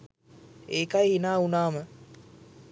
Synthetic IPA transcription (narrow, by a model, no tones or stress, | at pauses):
eːkajɦinaːunaːmə